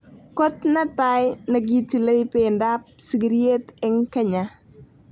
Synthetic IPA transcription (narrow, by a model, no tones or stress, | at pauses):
kɔtnɐtajnɐɡitilɐjpɛndap̚siɡiɾietɛŋkɐɲa